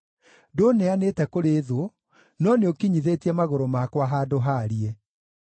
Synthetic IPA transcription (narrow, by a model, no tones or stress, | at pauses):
donɛanetɛkoɾeðoo | nɔneokiɲiðetiɛmaɣoɾomakwaɦadoɦaɾiɛ